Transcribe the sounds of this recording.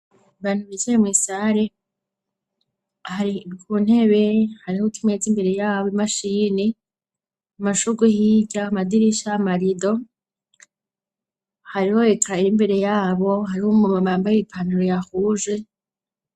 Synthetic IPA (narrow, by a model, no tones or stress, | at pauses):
βaːn̥uβit͡ʃejemŋiːsaɾe | haɾikʰuːn̥he̞βe̞haɾihotʰimet͡simbe̞ɾe̞jaːβoimaʃiːni | maʃuɡuhiɟaːmadiɾiʃaːmaɾido̞ | haɾihoekʰaimbe̞ɾe̞jaːβo̞ɦaɾihomumamaːmbajipʰanuɾojahuːʒe